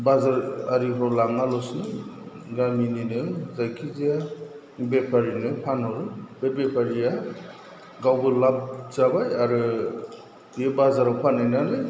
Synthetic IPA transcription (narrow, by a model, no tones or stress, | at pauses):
bazaɾaɾibɔlaŋalɔsnɯ | ɡamininɯzajkʰizija | bepʰaɾinɯpʰanaɾɯbebepʰaɾija | ɡawbɯlap̚zabajaɾɯ | jɯbazaɾawpʰanajnalɯj